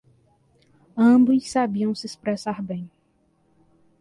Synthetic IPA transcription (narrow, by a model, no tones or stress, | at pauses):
ɐ̃bujsːabiɐ̃w̃sɪespɾɛsaɾbẽj̃